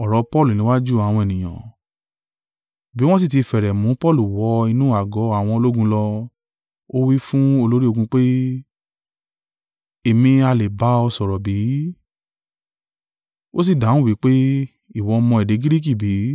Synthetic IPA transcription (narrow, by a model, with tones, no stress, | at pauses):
ɔ˨ɾɔ˨˦pɔ˦lu˨nĩ˨˦wa˦d͡ʒu˦a˨w̃ɔ̃˧ɛ˨nĩ˨j̃ã̰˨ | bi˨˦w̃ɔ̃˦s̬i˦˨ti˧fɛ˨ɾɛ˨mũ˨˦pɔ˦˨lu˨wɔ˨˦i˧nũː˦˨a˨ɡɔ˨˦a˦˨w̃ɔ̃˧o˧lo˦ɡũ˧˦lɔ˧ | o˦wi˦fũ˦o˧lo˦ɾi˦o˧ɡũ˧k͡pe˦ | e˨mĩ˧a˧le˨ba˨˦ɔ˧sɔ˨ɾɔ˨bi˨˦ | o˦s̬i˦˨da˨˦ũ˦˨wi˨˦k͡pe˦ | i˦˨wɔ˧mɔ̃˧ɛ˨de˨˦ɡi˦ɾi˦k̬i˦˨bi˨˦